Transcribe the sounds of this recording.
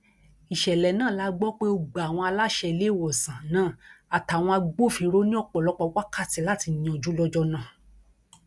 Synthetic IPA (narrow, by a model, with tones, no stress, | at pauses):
i˨ʃɛ˨lɛ˨nãː˦˨la˨˦ɡ͡bɔ˦k͡pe˦o˧ɡ͡ba˨a˨w̃ɔ̃˧a˧la˦ʃɛ˧le˦˨wɔ˨sã˨nãː˦˨a˨ta˨w̃ɔ̃˧a˧ɡ͡bo˦˨fi˧ɾo˦nĩ˦ɔ˦˨k͡pɔ˨lɔ˨˦k͡pɔ˧wa˦ka˦˨ti˨˦la˦˨ti˨˧nĩ˨ɔ̃˨d͡ʒu˨˦lɔ˧d͡ʒɔ˧nã˦˨